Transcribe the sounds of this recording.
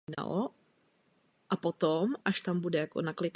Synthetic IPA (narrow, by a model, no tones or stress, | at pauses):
na̰lo | ʔapot̪omʔaʃt̪ambudɛjako̰naklɪk